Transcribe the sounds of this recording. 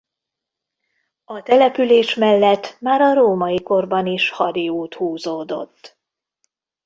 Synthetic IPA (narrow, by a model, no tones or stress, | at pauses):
ɒt̪ɛlɛpyleːʃmɛlːɛt̪ːmaːɾɒɾoːmɒiko̞rbɒniʃhɒɾiuːt̪huːzoːd̪o̞̰t̪ː